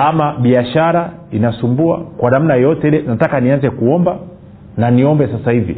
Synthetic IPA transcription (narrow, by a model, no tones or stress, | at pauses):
amaɓiaʃaɾa | inasumbua̰kwanam̩najjɔtɛilɛnatakanianzɛkuɔmba | naniɔmbɛsasahivḭ